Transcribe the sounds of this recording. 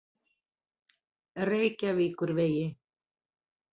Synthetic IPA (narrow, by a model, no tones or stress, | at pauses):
reːjcaviːkʏɾveːjɪ